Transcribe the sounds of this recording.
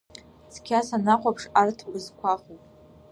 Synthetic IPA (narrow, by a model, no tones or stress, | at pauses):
t͡sʰkʲʰasanaqʷʰapʰʂartʰbɨzkʷʰaχupʼ